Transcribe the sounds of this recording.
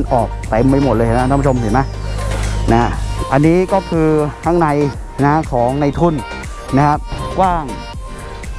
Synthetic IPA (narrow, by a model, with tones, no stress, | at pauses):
nʔɔː˨˩k̚t̪e˨˧mːa˧jmo˨˩t̪̚lɤː˧a˧˩˨a˥˩pʰu˥t͡ɕʰo˧msi˨˩ma˦˥ | na˦˥ʔa˧nːiː˦˥kɔː˥˩kʰɯː˧t̪ʰa˦˥ŋna˧j | na˦˥hkʰɔː˩˦ŋna˧jt̪ʰu˥˩n | na˦˥kʰa˦˥p̚kwaː˥˩ŋ